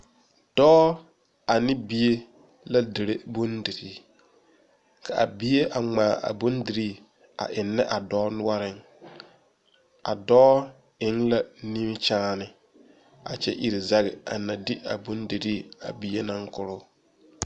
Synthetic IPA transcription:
d̥ɔː˦ | a˨nɪ˦bi˦e˦ | la˦dɪ˨ɾe˦bʊ˦ndi˨ɾi˦ | kʰa˨a̰˨bi˦je˦a˨ŋ͡maː˨ʔa̰˨bʊ˦ndi˨ɾiː˦˨ | a̰˨ʔɪ˨nːɛ˦ʔa˨dɔː˦nʊ˦a˦ɾɪ˦ŋ | a˨dɔː˦ | ɪ˨˦ŋla˦ni˦m˦t͡ʃaː˦nɪ˨ | a̰˨t͡ʃɛ̰˦ʔi˨ɾi˨za˦ɣɪ˨a̰˨na˨dɪ˦ʔa̰˨bʊ˦ndi˨ɾi˦˨a̰˨bi˨˦e˦na˦ŋkʊ˨ɾʊ˦

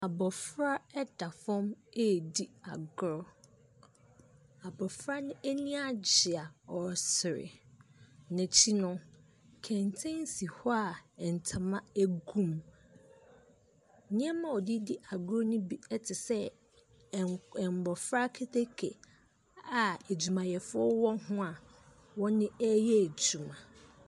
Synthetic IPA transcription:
a˨bɔ˨fɾa˦ɛ˦da˨fɔ̃˦me˦˨di˦a˨ɡʊ˦ɾɔ˦ | a˨bɔ˨fɾa˦nʊ̃˦ʔæ˦nĩ˦a˦d͡ʑɪ˨a˨ɔ˨sɪ˨ɾɪ̰˨ | nɛ̃˨t͡ɕʰi˦nʊ̃˦ | kʰɛ̃˨ntʰɛ̃˦n˦si˨hɔ˦a˨ɛ˨n̩˨tʰa˨mã˦æ˦ɡũ˦˨m | nɪ̃˦ɛ˦mã˨ɔ˨di˦di˦ʔa˨ɡʊ˦ɾo˦nʊ̃˦bi˦ɛ˦tʰɪ˨sɛ˦ | ɛ˨m˨bɔ˨fɾa˦kʰe˦tʰe˦kʰe˨ | a˨e˨d͡ʑu˨mã˨jɛ˨fʊ˦ɔ˦wɔ˦hʊ̃˦a˨ | wɔ˦nɪ̃˦ɛ˦jɛ˦æ˨d͡ʑu˨mã˨

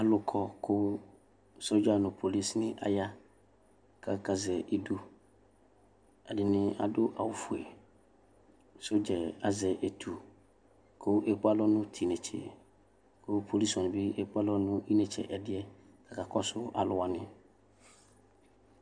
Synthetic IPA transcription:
a˨lʊ˨kʰɔ˦kʰʊ˦ | so˦d͡ʒa˦nʊ̃˨pʰo˨li˦snɪ̃˦ʔa̰˨ja˦ | kʰa˨ka˨zɛ˨ʔi˨du˦ | a˨dɪ˨nɪ̃˦a̰˨dʊ˦ʔa˨wʊ˨fʊ˨e˨ | sʊ˦d͡ʒɛ˨a˨zɛ˨ʔe˨tʰu˨ | kʰʊ˦e˦k͡pa˦lɔ˦nʊ̃˦tʰi˨nɛ̃˨t͡ʃʰḛ˨ | kʰʊ˦pʰo˨li˦sɔ̃˨n˨bɪ˦e˦k͡pa˦lɔ˦nʊ̃˦ʔi˦nɛ˨t͡ʃʰɛ̰˨ʔɛ˨dɪ˦ɛ˦ | kʰa˨ka˨kɔ˦sʊ˦a̰˨lʊ˨wa˨nɪ̃˦

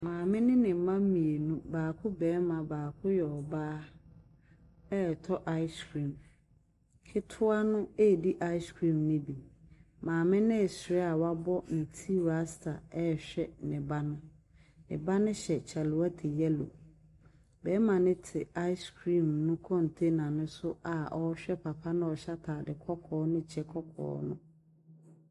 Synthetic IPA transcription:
mãː˨mɪ̃˦nɪ̃˦nɪ̃˨mã˦m̩˦mĩ˨e˨nũ˦baː˨kʰʊ˦bɛː˨˦mã˨baː˨kʰʊ˦jɛ˨ɔ˨baː˦ | ɛ˦˨tʰɔ˦ʔa˦ɪ˦skʰɾĩ˨m | kʰɪ˦tʰʊ˦a˦nʊ̃˦e˦˨di˦ʔa˦ɪ˦skʰɾĩ˦˨mnɪ̃˦bi˨mãː˨mɪ̃˦nɪ̃˦ɛ˨sɾɛ˦a˨wa˦bɔ˦nɪ̃˨tʰi˦ɾa˦stʰa˨ɛ˦˨ɕᶣɛ˦nɪ̃˨ba˦nʊ̃˦ | nɪ̰̃˨ba˦nʊ̃˦ɕɛ˨t͡ɕʰɛ˨lʊ˨˦a˦tʰe˨jɛ˦lo̰˨ | bɛ˨˦mã˨nɪ̃˦tʰɪ˨a˦ɪ˦skʰɾĩ˦˨mnʊ̃˦kʰɔ̃˦n˨tʰe˦nã˨nʊ̃˦sʊ˦a˨ʔɔ˦ɕᶣɛ˦pʰa˨pʰa˦nʊ̃˦ɔ˨ɕa˦tʰaː˨dɪ˨kʰɔ˦kʰɔː˨˦nʊ̃˦t͡ɕʰɛ˦kʰɔ˦kʰɔ̰ː˦nʊ̰̃˦

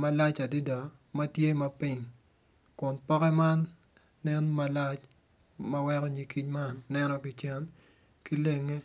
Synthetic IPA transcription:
ma˦la˦t͡ʃa˨di˦dɔ˨ma˦tje˦mɐ˦pi˦˨ɲ | kʊ˨npɔ˦kɛ˦ma˦nː | ɛ˦nma˨la˦t͡ʃ | mɐ˦wɛ˦kɔ˦ɲi˨ki˦ɲma˦nːɛ˦nɔ˦kɪ˨t͡ʃɛ˦n | ki˦le˨ŋe˦

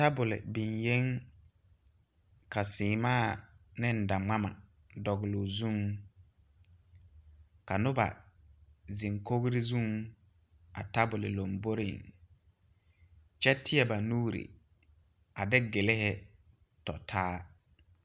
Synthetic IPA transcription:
ta˦bʊ˨lɪ̰˨bɪ˨nje˦ŋ | ka˨sɪː˨maː˦˨nɪ˦n̩˨da˨ŋ͡ma˦ma̰˨ | dɔ˨ɣɪ˨lʊ˨zu˦ŋ | ka˨nʊ˦ba̰˨ | zi˨ŋko˦ɡɾɪ˦zu˦˨ŋ | a̰˨ta˦bʊ˨lɪ̰˨lo˨mbo˦ɾɪ̰˨ŋ | t͡ʃɛ˦tʰɪ˦ɛ˨ba˨nuː˦ɾḭ˨ | a˨dɪ˦ɡɪ˨lɪ˦hɪ˦ | tɔ̰˨tʰaː˦

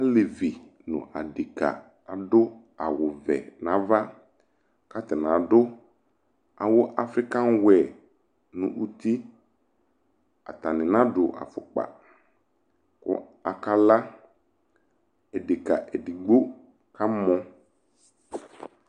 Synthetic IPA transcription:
a˦le˨vi˨nʊ̰̃˨ʔa̰˨di˨ka̰˨ | a˨dʊ˦ | a˨wʊ˨vɛ̰˨nã˨˦va˦ | ka˦t̪ɪ˨nã˨dʊ˦ | a˨wʊ˦ʔa˦fɾɪ˦ka˦n˦wɛ˨ | nʊ̃˨ʔu˦t̪i˦ | a̰˨t̪a˨nɪ̃˨nã˦dʊ˨ʔa̰˨fʊ˨k͡pa̰˨ | kʊ̰˦ | a˨ka˦la˦ | ɛ˨de˨ka˨ʔɛ˨di˨ɡ͡bo˦ | ka˦mɔ̃˦

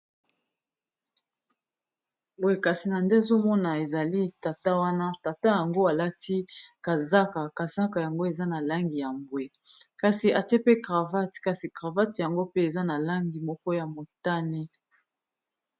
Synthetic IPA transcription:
bwe˨ka˨si˨na˨nde˦a˨zo˦mɔ˦na˨e˨za˨li˦ta˨ta˦wa˦na˦ta˨ta˦ja˨ŋɡo˦a˨la˦tʰi˦ka˨za˦ka˨ka˨za˦ka˨ja˨ŋɡo˦e˨za˦na˨la˦ŋɡi˨ja˨mbwe˨ | ka˨si˨ʔa˨te˦pe˦ɡʁa˨va˦tka˨si˨kʁa˨va˦tja˨ŋɡo˦pe˦e˨za˦na˨la˦ŋɡi˨mɔ˦kɔ˦ja˨mo˨ta˦ni˦

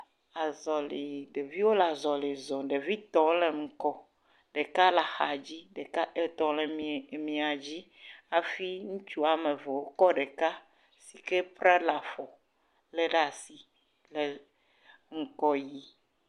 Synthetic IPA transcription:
a˨zɔ˨le˨ɖe˨vi˦wo˦la˨zɔ˨le˨zɔ̃˨ɖe˨vi˦t̪ɔ̃˦le˨ŋ̩˨kɔ˦ | ɖe˨ka˦la˨xa˨d͡ʑi˦ɖe˨ka˦ʔe˨t̪ɔ̃˨lɛ˨m˨mĩ˨a˨d͡ʑi˦ | a˨fi˦ŋũ˦t͡ʃu˦a˨me˨ve˨wo˦kɔ˦ɖe˨ka˦ | si˨ke˦pɾɛ˦la˨fɔ˨ | lɛ˦ɖa˦˨si˨ | lɛ˨ | ŋ̩˨kɔ˦ji˦

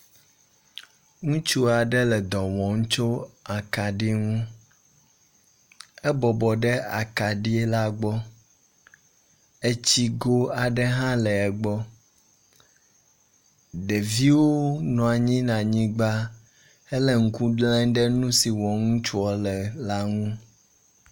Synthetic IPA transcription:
ŋũ˦t͡ʃu˦a˨ɖɛ˦lɛ˨d̪ɔ˨wɔ̃˨ŋũ˦t͡ʃo˦a˨ka˨ɖi˦ŋũ˦ | ɛ˦bɔ˨bɔ˨ɖɛ˦a˨ka˨ɖi˦ɛ˦la˦ɡ͡bɔ˦ | e˦t͡ɕi˦ɡo˦a˨ɖɛ˦ɦã˦lɛ˨ɛ˨ɡ͡bɔ˦ | ɖe˨vi˦wo˦nɔ̃˨a˨ɲĩ˦nã˨ɲĩ˦ɡ͡ba˦ | e˦lɛ˨ŋ̩˦ku˦ɖlɛ̃˦ŋɖɛ˦nũ˦si˨wɔ̃˨ŋũ˦t͡ʃu˦ɔ˦lɛ˨la˦ŋũ˦

